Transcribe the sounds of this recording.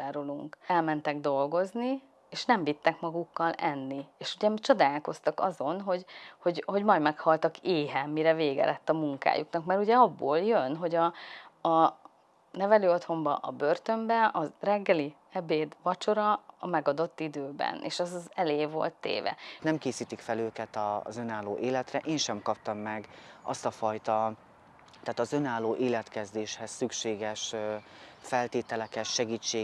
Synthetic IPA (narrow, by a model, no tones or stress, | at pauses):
aːɾoluŋkɛlmɛnt̪ɛɡd̪o̞lɡo̞zni | eːʃnɛɱvit̪ːɛkmɒɡukːɒlɛnːieːʃuɟɛmt͡ʃo̞d̪aːlko̞st̪ɒkɒ̰zo̞nɦo̞ɟho̞ɟɦo̞ɟmɒjdmɛkhɒlt̪ɒkʰeːɦɛmːiɾɛveːɡɛ̰lʔɛt̪ːɒmuŋka̰ːjuknɒkmɛɾuɟɛɒbːoːljønɦo̞ɟɒɒ | nɛvɛløːo̞t̪ho̞mbɒ̰ʔɒbø̞rt̪ø̞mbɛɒzrɛɡːɛli | ɛbeːd̪vɒt͡ʃo̞ɾɒmɛɡɒd̪o̞t̪ːid̪øːbɛ̰nḛːʃɛzɒzɛleːvo̞̰lt̪ːḛːvɛ̰nɛmkeːsiːt̪ikfɛløːkɛt̪ɒ̰zø̞naːlːo̰ːʔeːlɛt̪rɛʔeːnʃɛmkɒp̚t̪ɒmːɛɡɒ̰st̪ɒfɒjt̪ɒ | t̪aːt̪ɒzø̞naːlːoːʔeːlɛt̪kɛzd̪eːʃhɛsːykʃeːɡɛʃ | fɛlt̪eːt̪ɛlɛkɛtʃɛɡiːt͡ʃːeː